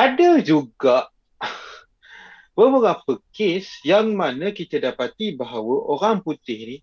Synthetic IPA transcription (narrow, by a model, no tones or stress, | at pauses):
adəd͡ʒuɡaʔ | bəbəɡap̚əkesjaŋmanəkit̪ədapat̪ibaɦawəʔoɾaŋput̪ɪhni